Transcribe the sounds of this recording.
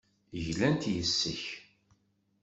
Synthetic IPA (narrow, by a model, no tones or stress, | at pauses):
ʝlænt̪jəsːəç